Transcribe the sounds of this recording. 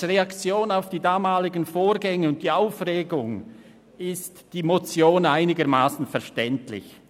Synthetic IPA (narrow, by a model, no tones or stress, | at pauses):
ʁeakt͡sjoːnaʊfd̥iːdaːmaːlɪɡənfoːɾɡɛŋəʊnt̚d̥iːaʊfreːɡʊŋ | ɪstd̥iːmot͡sjoːnaɪnɪɡəmaːsn̩fɛɐʃtɛntlɪ̰ç